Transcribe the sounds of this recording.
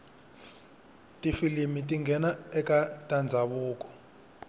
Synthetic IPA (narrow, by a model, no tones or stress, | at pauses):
tʼifilimitʼiŋɡʱɛnaɛkʼatʼand͡zʱaβuːk̬ʼɔ̥